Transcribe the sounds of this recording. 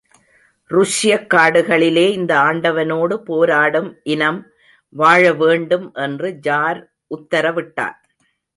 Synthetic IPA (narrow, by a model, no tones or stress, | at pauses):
rʊʂɪjɐkːaːɽɯɣɐɭɪleːɪnd̪ɐaːɳɖɐʋɐnoːɽɯpoːɾaːɽɯmʔɪnɐm | ʋaːɻɐʋeːɳɖɯmʔɛndrɯd͡ʒaːɾ | ʔʊt̪ːɐɾɐʋɪʈːa̰ːl